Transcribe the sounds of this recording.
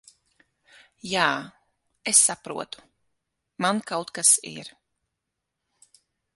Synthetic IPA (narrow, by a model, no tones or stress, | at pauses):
jaː | esːapɾṵɔt̪u̥ | mankawt̪kasḭɾ